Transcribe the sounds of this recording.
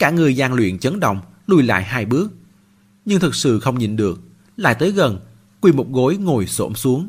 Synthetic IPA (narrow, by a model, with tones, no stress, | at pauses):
kaː˧˩ŋɨ˨˩əjzaː˧ŋlwḭ˧˨ənt͡ɕə˨˦nɗə̰˧˨wŋ͡m | lu˧jla̰ː˧˨jɦaː˧jɓɨ˦˥ək̚ | ɲɨ˧ŋt̪ʰɨ˨˩k̚sɨ̰˧˨xə˧wŋ͡mɲḭ˨˩nɗɨ˨˩ək̚ | la̰ː˧˨jt̪əː˨˦jɣə˨˩n | kwi˧mʊ˨˩k͡p̚ɣo˨˦jŋo˨˩jso̰˧˩msu˨˦əŋ